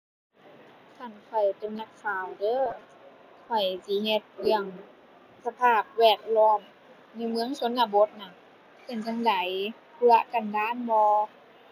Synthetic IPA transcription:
kʰa˧˩nkʰɔ˨˩jt̪e˧˦mna˧k̚faː˧˩wdɤː˧˥ | kʰɔ˧˩jsiː˧˦he˧t̪̚ji˧˩əŋ | sa˧pʰaː˧˩p̚wɛː˧˩k̚lɔː˧˥˩m | na˧˥˨jmɯ˧˥əŋso˨˧˦nla˧˩bo˧˦t̪̚na˧˩k̚ | ka˧˨˩nt͡ɕa˧ŋla˨˦j | kɯ˧ə˧ka˨˩ndaː˧˥˨nmɔː˧

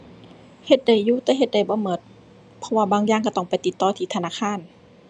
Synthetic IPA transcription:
he˧t̪̚da˨˩jːuː˧˨t̪ɛː˧˦ɦe˧t̪̚da˨˩jbɔː˧˦mɤ˧˩t̪̚ | pʰɔ˧waː˧baː˧ŋjaː˧˨ŋka˧˩t̪ɔ˧˩ŋpa˨jt̪i˧˦t̪ːɔː˧˩t̪ʰiː˧˩t̪ʰa˧naː˧˥˨kʰaː˧˥˨n

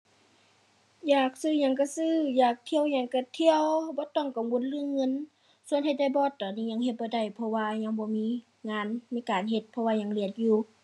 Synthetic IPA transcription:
jaː˧˩k̚sɯː˧˩˨ɲa˧˩˨ŋka˧˩sɯː˧˥˩jaː˨˩k̚t̪ʰi˧˨əwɲa˧˩ŋka˧˩t̪ʰi˧əwbɔː˧˦t̪ɔ˧˩˨ŋka˨mwo˧˥n̚lɯː˧˨ŋɤ˧˥˨n | su˧ənhʰa˧jda˧˩˨jbɔː˧˥t̪ːɔː˨˩nːiː˧˨ɲa˧˨ŋhe˧t̪̚bɔː˧˦da˧˩jpʰɔ˧waː˧ɲa˧˥˨ŋbɔː˧˦miː˧˥˨ | ŋaː˧˥˨nmiː˧˥kaː˨nɦe˧˦t̪̚pʰɔ˧waː˧ɲa˧˩˨ŋli˧˩ət̪̚juː˧˩

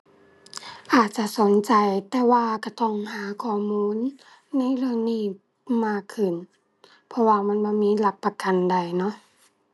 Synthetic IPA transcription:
ʔaː˨˩t̪̚t͡ɕa˧˨ʔso˨˦nt͡ɕa˨jt̪ɛː˧waː˧ka˧˩t̪ɔ˧˩ŋhaː˨˦kʰɔː˧˩muː˧˥˨nː | a˧˥˨jɾɯ˧ə˨ŋniː˧˩ | maː˧˩kʰːɯ˨˩n | pʰɔ˧waː˧˩ma˧˥˨nbɔː˧˦miː˧˥˨la˧˩p̚pːa˧ka˨nda˨˩jnɔ˧˥ʔ

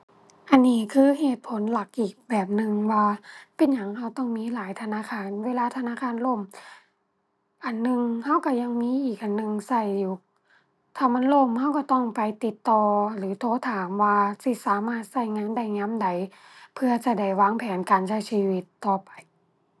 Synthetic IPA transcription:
ʔa˨nːiː˧˩˨kʰɯː˧˥˨ɦeː˨˩t̪̚pʰo˨˦nla˧˦k̚ʔiː˨˩k̚bɛː˨˩p̚nɯ˧ŋwaː˧pe˨nɲa˨˦ŋha˧˥˩wt̪ɔ˧˥˩ŋmiː˧˥˨laː˨˦jt̪ʰa˧naː˧˥˨kʰaː˧˥˨nweː˧˥˨laː˧t̪ʰa˧naː˧˥˨kʰaː˧˥˨nlo˧˥˩m | ʔa˨nːɯ˧ŋha˧˥˨wka˧˩ɲa˧ŋmiː˧˥ʔiː˨˩k̚ʔa˨nːɯ˨˧ŋsa˧˩jju˧˩ | t̪ʰaː˧˩ma˧˥˨nlo˧˩˨mha˧˥˩wka˧˩t̪ɔ˧˩ŋpa˨jt̪i˧˦t̪ːɔː˧lɯː˨˦t̪ʰoː˧˥˨t̪ʰaː˨˦mwaː˧si˧˩saː˨˦maː˧˩t̪̚sa˧˩jŋaː˧˥˨nda˧˩jŋa˧˥˨mda˨˧˦j | pʰɯ˧ɐt͡ɕa˧˩da˧˩jwaː˧˥ŋpʰɛː˨˦nkaː˨nsa˧˩jsiː˧˩wi˧˦t̪ːɔː˨˩pa˨˩j

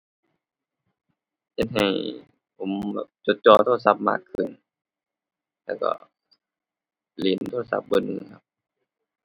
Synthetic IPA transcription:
he˧t̪̚ɦa˨˩j | ʔo˨˦mbɛː˨˩p̚t͡ɕo˧˦t̪̚t͡ɕɔː˧˩t̪ʰoː˧a˧sa˧˥p̚ma̰ː˧˩kʰːɯ˨˧˩n | lɛː˧˩wkɔ̰˧˩ | li˨˦nt̪ʰoː˧˥˧a˧sa̰˧˦p̚bɤ˧˨nʔɯ˧˨kʰa˧˥p̚

